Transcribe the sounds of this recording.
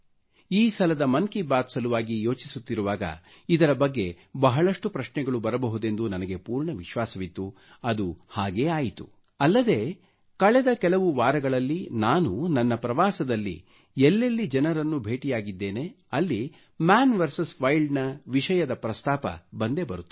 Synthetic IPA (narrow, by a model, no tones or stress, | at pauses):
iːsɐlɐd̪ɐmɐnkibaːt̪sɐluʋaːɡijo̞ːt͡ʃisut̪ːiɾuʋaːɡɐ̰ | id̪ɐɾɐbɐɡːe̞ | bɐɦɐɭɐʂʈupɾɐʃnɛɡɐɭubɐɾɐbɐɦud̪e̞nd̪unɐnɐɡe̞puːɾɳɐʋiʃʋaːsɐʋit̪ːu | ɐd̪uhaːɡe̞ːaːjit̪ṵ | ɐlːɐd̪e̞ː | kɐɭɛd̪ɐkɛlɐʋuʋaːɾɐɡɐɭɐlːinaːnunɐnːɐpɾɐʋaːsɐd̪ɐlːḭ | elːelːid͡ʒɛnɐɾɐnːubʱe̞ːʈijaːɡid̪ːe̞ːne̞ | ɐlːi | maːnʋɐɾsɐsʋɐjlɖnɐʋiʂɐjɐd̪ɐpɾɐst̪aːpɐ̰bɐnd̪e̞bɐɾut̪ːi